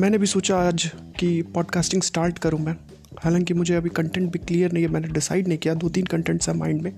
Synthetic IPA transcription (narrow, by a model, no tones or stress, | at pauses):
mɛ̃ːnebʱisoːt͡ʃaaːd͡ʒkipɔːɖkaːsʈɪ̃ŋɡsʈaːɾʈkɐɾũmɛ̃ː | hɛːlãŋkimʊd͡ʒʱeɐbʱikɐ̃ɳʈɛ̃ɳʈ̚bʱikliːjəɾnɐɦĩemɛ̃ːneɖɪsa̰ːɪɖnɐɦĩkijad̪oːt̪iːnkɐ̃ɳʈɛ̃ɳʈsɦɛ̃mã̰ːɪ̃ɳɖmẽ